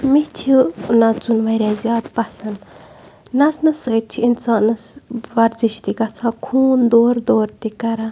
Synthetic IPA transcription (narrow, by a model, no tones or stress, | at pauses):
mit͡ʃʰinat͡sunʋɐɾʲazʲjaːd̪pɐsɐn | nɐsnɨsət̪̚t͡ʃʰiinsaːnɨsʋɐɾziʃt̪iɡɐsʰãkʰuːnd̪oːɾd̪oːɾt̪ikɐɾa